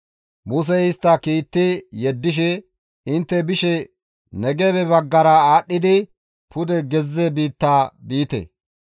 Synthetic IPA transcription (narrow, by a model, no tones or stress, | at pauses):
mʊs̬ɛɪst̪ːɐkiːt̪ːɪjɛd̪ːɪʃ̬ɛ | ɪnt̪ːɛbɪʃɛ | nɛɡɛbɛbɐɡːɐɾɐaːɗːɪd̪ɪ | pʰʊd̪ɛɡɛzːɛbiːt̪ːaːbiːt̪ɛ̰